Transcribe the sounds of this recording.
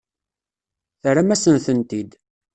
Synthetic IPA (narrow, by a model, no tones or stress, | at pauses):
θɾæmæsənθənt̪id̪